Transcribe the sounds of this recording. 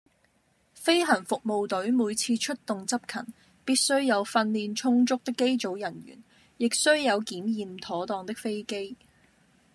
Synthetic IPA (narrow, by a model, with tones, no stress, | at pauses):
fe˥jɦɐ˨˩fʊ˨k̚mo˨wt̪ɵ˨˥ɥmuː˨˧jt͡sʰiː˧t͡ʃʰɵ˥t̚t̪ʊ˨ŋt͡sɐ˥p̚kʰɐ̰˨˩n | piː˥t̚sɵ˥ɥjɐ˨˧wfɐ˧nliː˧nt͡ʃʰʊ˥ŋt͡sʊ˥k̚t̪ɪ˥kːe˥jt͡so˨˧˥wjɐ˨˩nɥy̰˨˩n | jɪ˨k̚sɵ˥ɥjɐ˨˧wkiː˨˥mjiː˨˧mt̪ʰɔː˨˥t̪ɔː˧ŋt̪ɪ˥k̚fe˥jke˥j